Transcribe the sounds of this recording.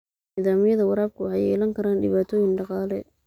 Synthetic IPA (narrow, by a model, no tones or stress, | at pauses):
niːðaːmɪjɐðɐwɑɾaːb̚kʰʊwɑħɑjɛ̰ːlɐŋkʰɐɾaːnɖɪβaːt̪ʰɔːjɪŋɖɑqɑːlɛ̰